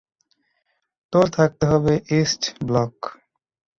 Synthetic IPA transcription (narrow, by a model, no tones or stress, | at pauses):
t̪oɾt̪ʰak̚t̪eɦɔbeʔesʈblɔk